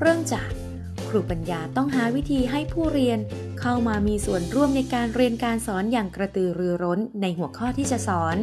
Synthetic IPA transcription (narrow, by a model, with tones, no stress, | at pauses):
ɾɯ˥˩əŋt͡ɕaː˨˩k̚ːʰ | ɾuː˨˩pa˧njaː˧t̪ɔ˥˩ŋɦaː˩˦wi˦˥t̪ʰiː˧ɦa˥˩jpʰuː˥˩ɾi˧ən | kʰa˥˩wmaː˧miː˧su˨˩ənɾu˥˩əmna˧jkaː˧nɾi˧ənkaː˧nsɔː˩˦njaː˨˩ŋkɾa˧t̪ɯː˧ɾɯː˧ɾo˦˥nːa˧jhu˩˦əkʰɔː˥˩t̪ʰiː˥˩t͡ɕa˨˩ʔsɔː˩˦n